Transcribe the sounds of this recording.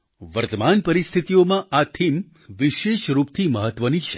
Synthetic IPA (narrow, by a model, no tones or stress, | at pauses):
ʋəɾt̪əmanpəɾist̪ʰit̪ijomãʔat̪ʰim | ʋiʃeʃɾupt̪ʰiməɦət̪ʋənit͡ʃʰe̥